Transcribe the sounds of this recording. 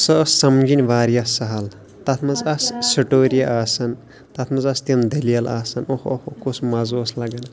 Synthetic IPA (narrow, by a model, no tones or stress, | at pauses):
sɐssɐmd͡ʒinʲʋaːɾijɐsɐɦɐl | t̪ɐt̪ʰmɐzɐssɐʈoːɾijɐʔaːsɐn | t̪ɐt̪ʰmɐzɐst̪ɐmd̪ʱɐlijɐla̰ːsɐnohohokosmɐzoːslɐɡɐnɐ